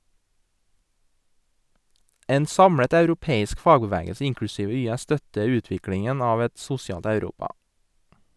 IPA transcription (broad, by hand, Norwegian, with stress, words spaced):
ˈeːn ˈsɑmɹət œʉɾʊˈpeːɪsk ˈfɑːɡəˌʋæːɡəlsə ˈɪŋklʉˌsiːʋə ˈyːæ ˈstœtəɾ ˈʉːtʋɪklɪŋən ˈɑːʋ ˈɛt ˈsʊsɪɑːlt œʉˈɾuːpɑ